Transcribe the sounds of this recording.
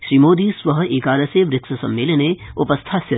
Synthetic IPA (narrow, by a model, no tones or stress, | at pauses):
ʃɾiːmoːd̪isʋəɦeːkaːɾəseʋɾɪksɐsɐmːɪːləneʊpəst̪ʰasjɐ